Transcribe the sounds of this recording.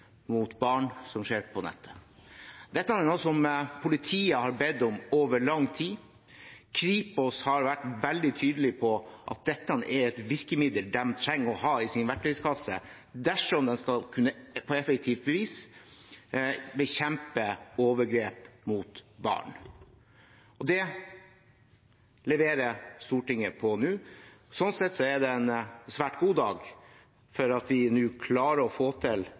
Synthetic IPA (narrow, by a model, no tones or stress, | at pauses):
mut̪bɑːɳsɔmʂeːɾpʰɔnɛ̰t̪ʰːə̥ | d̪̥ɛt̪ːəɑnɛnuːsɔmpʰʊlɪt̪ʰiːəhɑɾbɛd̪ɔmoːʋəɭɑŋːt̪ʰiː | kʰɾiːpɔshɑɾʋæʈːʋɛld̪ɪt̪ʰyːd̪əlɪpʰɔʔɑ̰t̪̚d̪ɛt̪ːəɑnʔɛɾɛt̪ʋɪɾkəmɪd̪əld̪ɛmt̪ʰɾɛŋːɔhɑːɪsɪnʋæʈʈːœʏskʰɑsːə̰ | d̪æʂɔmd̪ɛnskɑlkʰʉnːəpʰɔɛfɛk̚t̪ʰiːft̪̚bəʋiːs | bɛçɛmpəoːʋəɾɡɾeːpmʊt̪bɑ̰ːɳ | ʔɔd̪ɛ | lɛʋeːɾəst̪uːʈɪŋːəpʰɔnʉːsɔnsɛt̪ːsɔɛd̪ɛɛnsʋæːʈɡuːd̪ɑːɡ | fɔɾɑt̪ʋɪnʉːkʰlɑːɾəɔfoːt̪ʰɪl